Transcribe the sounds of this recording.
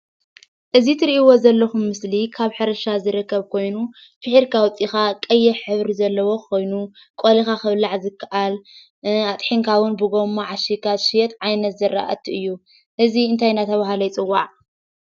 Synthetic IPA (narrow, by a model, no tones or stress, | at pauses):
ʔɨzit̪ʰɨɾiʔiwo̞zɐlːɐxumːɨslikʰaβħɨɾɐʃazɨɾɨkːɐβkʰo̞jnu | b̥ɨħiɾkʰawʊt͡sʼixakʼɐjːɛħɨβɾizɐlːɐwo̞kʰo̞jnu | kʼolixaxɨβlaʕzɨkʰːaʔal | at̪ʼħiŋkʰawʊnbɨɡomːaʕaʃikʰaʃijɛt̪ʕajnɐt̪zɨɾːa̰ʔa̰t̪ʰiʔɨjːu | ʔɨziɨnt̪ʰajnat̪ʰɐβaɦalɐjt͡sʼɨwːaʕ